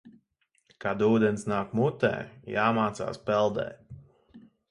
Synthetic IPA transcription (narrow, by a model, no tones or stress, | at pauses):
kad̪uːd̪ɛnsnaːkmut̪ɛ̰ːjaːmaːt̪sa̰ːspɛlˠd̪ɛ̰ː